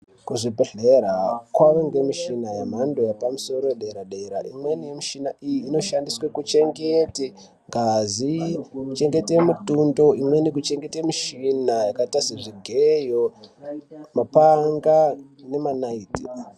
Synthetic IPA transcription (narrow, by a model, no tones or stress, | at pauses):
kuʐibʱeɮeɾakwaʋeŋɡe̞miʃinajam̤ando̞japamuso̞ɾoeɗeɾaɗeiɾa̰ʔḭmwe̞nijemiʃinaʔijiːno̞ʃandiswekut͡ʃe̞ŋɡete | ŋɡazikut͡ʃe̞ŋɡe̞temutundo̞imwenikut͡ʃe̞ŋɡe̞temiʃinajakatasiʐiɡʱejo | mapaŋɡa | ne̞manaiːtḭ